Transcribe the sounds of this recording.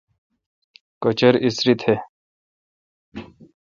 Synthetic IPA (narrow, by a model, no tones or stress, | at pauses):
kot͡ɕʌɾisɾit̪he